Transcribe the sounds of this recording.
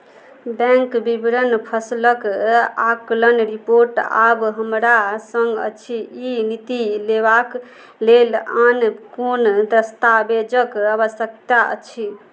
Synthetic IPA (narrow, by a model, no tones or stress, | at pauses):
bɛ̃ŋkbibɾənpʰəsləkaklənɾipoɾʈa̰bɦəmɾasə̃ŋɡə̰t͡ʃʰiinit̪ileβak | lelankond̪əst̪abed͡ʒəkəβəsjəkt̪aʔə̰t͡ʃʰi